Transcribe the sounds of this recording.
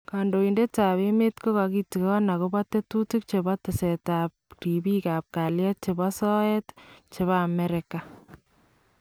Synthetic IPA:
ka˨ndo˨i˨nde˦ta˨βe˦me˦tko˦ka˨ki˦ti˨ke˦ɣɔ˦na˨ɣo˦ba˦tːe˦tu˦ti˦k̚t͡ʃe˨ba˦tɪ˨sɛ˨ta˨p̚ribi˦ka˨p̚ka˨ljɛ˦t̚t͡ʃe˨bɔ˦sɔ˦ɛ˦tt͡ʃe˨βa˦˨mɛ˦ɾɪka˨

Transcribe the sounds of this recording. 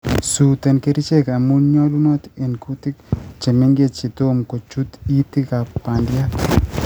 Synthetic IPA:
su˨t̪ɛ˨nke˦ɾit͡ʃɛ˦ka˨mu˦ɲɔ˦lu˦nɔ˦t̪e˨nku˦tɪ˦kt͡ʃe˨mɪ˦ŋɡet̚t͡ʃi˨t̪o˦mko˨t͡ʃu˦t̪i˦ti˦ka˨pandja˦k

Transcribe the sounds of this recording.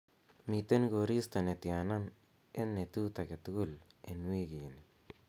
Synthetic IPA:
mit̪e˦nɡo˨ɾi˦st̪a˨ne˨t̪janan | e˦nːe˨t̪ut̪ake˨t̪uɡu˦lenwi˦kini

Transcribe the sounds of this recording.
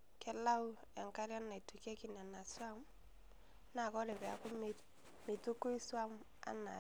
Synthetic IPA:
kɛ˦la˦u˦ | a˨ŋka˦ɾja˦nːa˨i˨tu˨ka˦ki˨n˨a˨na˨swa˦m | na˨kɔ˦dɛ˨bɛ˨a˨kɔ˦m˨ | mi˨tu˦ku˦i˦swa˦m | a̰˦na̰˨

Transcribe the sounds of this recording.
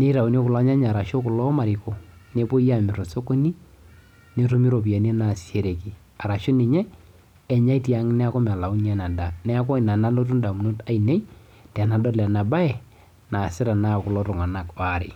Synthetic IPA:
ne˦i˦ɾa˨u˨njo˦kʊ˨la˦ɲa˦ɲa˨ɾa˨ʃo˦kʊ˨lɔ˦ma˨ɾɪ˨ko˨ne˦po˦i˦a˦˨mɪ˨ɾo˨so˦ko˦ni˦ | ne˦to˦mi˦ɾo˨p̬i˨a˨n˦e˦na˨si˦e˦ɾe˨ki˨ | a˨ɾa˨ʃo˦ni˨ɲɛ˦ | ɛ˨ɲa˦i˦ti˦a˦ŋ˦nɛ˦a˦kɔ˦ma˨la˨u˦ni˦ɛ˦na˨da˨nɛ˦a˦kɔ˦˨na˨na˦lo˦t̬u˦nda˨mu˨no˦ta˨i˨ne˦i˦ | tɛ˨na˨dɔ˦lɛ˨na˨ba˦ɛ˨ | na˨sɪ˦ɾa˨na˦˨kʊ˨lɔ˦tʊ˨ŋa˨na˨ka˨ɾɪ̰˨

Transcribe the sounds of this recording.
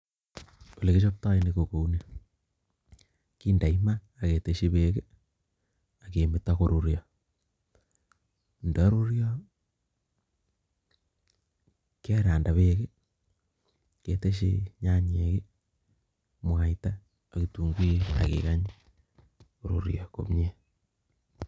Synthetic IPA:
o˨le˨ki˦ʃo˦p̚ta˦iniko˨ko˨une | ki˦nda˨imaː˦˨ke˨te˨ʃi˦be˨ke˦ | ake˨mɪ˨tako˨ɾo˨ɾja | nda˨˦ɾo˦ɾja˦ | ke˦ɾaː˨nda˨βeke˦ | ke˨te˦ʃ̬ḛɲa˦ɲe˨ke˦ | mwa˨itaː˦ | kitu˨ŋɡwi˦a̰˨kḛ˨ɣaɲi | ko˨ɾo̰ɾjako̰mɲe˦

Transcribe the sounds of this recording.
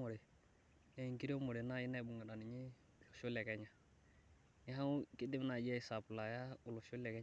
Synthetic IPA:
o˨ɾɛ˨ | na˦i˨ŋki˦ɾe˦mo˨ɾe˨na˦i˦na˦i˨bu˨ŋa˨da˨ni˨ɲi˦˨ | lo˨ʃo˦lɛ˨kɛ˦ɲa˨ | ni˦ɦa˦ki˦dɪ˦mna˨d͡ʒɛ˦i˨˦sa˨pla˨ja˦u˨lo˨ʃo˦lɛ˨kɛ˦

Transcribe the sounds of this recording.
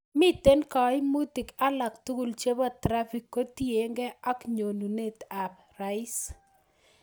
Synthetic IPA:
mi˦te˦nka˨ɪ˦mu˦ti˨ka˦la˨ktu˦ɡu˦˨lt͡ʃe˦ba˦tɾa˦fi˨kːo˦ti˦e˨ŋɡɛ˦a˦kɲo˨nu˨ne˦ta˨p̚ | ra˨ɪ˦s

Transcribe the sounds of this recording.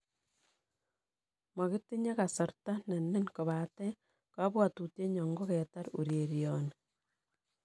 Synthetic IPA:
ma˨ɣi˦ti˦ɲe˦ka˨sɔ˨ɾta˦ne˨ne˦nko˨βa˨te˦ | ka˦βwa˨tu˨tje˦ɲɔ˨ŋɡo˦ke˨ta˦ɾṵ˨ɾje˨ɾjone

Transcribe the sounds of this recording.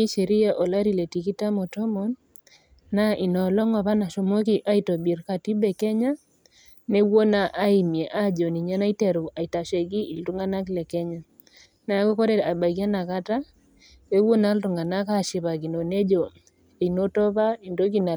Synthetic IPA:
i˦ʃe˨ɾi˦ja˨ʔo˨la˦ɾi˨le˨ti˨ki˦ta˦mɔ˨tɔ˦mɔ˨nː | a˦ʔi˨nɔ˨lɔ˦ŋɔ˨βa˦na˨ʃo˨mo˦ki˨ʔa˦i˨tɔ˨bi˨ɾka˨ti˦bɛ˨kɛ˦ɲa˦ | ne˦wo˦na˦ʔa˦i˨mje˨ʔa˦d͡ʒo˨ni˨ɲa˦na˦i˦tɛ˨ɾu˨a˨i˨ta˨ʃe˨ɡi˦i˨ltu˦ŋɡa˦na˦klɛ˨kɛ˦ɲa˨ | na˨˦kɔ˦kɔ˦ɾɛ˦a˨ba˨ɡi˦a˦na˨ka˦ta˦ | e˦wo˦na˦ltu˨ŋɡa˨na˦ka˦˨ʃi˨βa˨ɡi˨no˨ne˦d͡ʒo˨ | i˨no˦tɔ˦βa˦i˨ndo˦k̬i˦na˨

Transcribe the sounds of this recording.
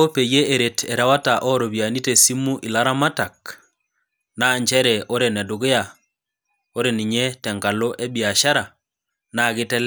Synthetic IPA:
o˦pe˨je˦e˨ɾe˨tʰɛ˨ɾa˦wa˦ta˨ʔɔ˦ɾo˨bja˨ni˦te˨si˦mu˦ʔi˨la˦ɾa˦ma˦ta˨k̚ | na˦˨ɲd͡ʒɛ˦ɾɛ˨ʔo˦ɾe˨nɛ˨dʊ˨ɣe˦a˨ | o˦ɾe˨ni˨ɲɛ˦tɛ˨ŋka˨lo˦ʔe˦bi˨a˨ʃa˦ɾa˨ | na˦˨ɣɪ˦tɛ˦lɛ

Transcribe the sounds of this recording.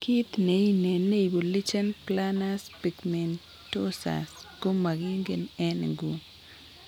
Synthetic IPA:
kʰi˦t̪ne˨˦i˦nɛ˨nːe˦i˨bo˨li˦t͡ʃɛ˦nplana˦spi˨kmɛ˨n | to˦sa̰˨sɡo˦ma˨ɡi˦ŋɡe˨nɛ˦nɡu˨

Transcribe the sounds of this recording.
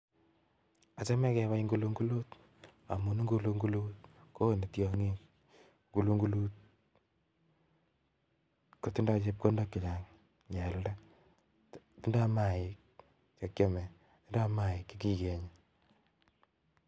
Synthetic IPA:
a˨se˦mɛ˦kɛ˨βa˦iŋɡu˦lu˦ŋɡu˦lu˦t | a˨mu˨n˦ŋɡu˦lu˦ŋɡu˦lu˦tko˦˨ne˨tjɔ˦ŋi˦k | ŋɡu˨lu˦ŋɡu˦lu˦t̚ | ko˨tu˦nda˦t͡ʃe˦p̚ko˦ndo˦kːɪ˨la˨ŋ | ɲɛ˨lda˦ | ti˦nda˦ma˨ɪ˨k̚ | t͡ʃe˦kje˦mɛ˨ | ti˦nda˦ma˦˨ɪ˨kːi˦ki˦ke˨ɲe

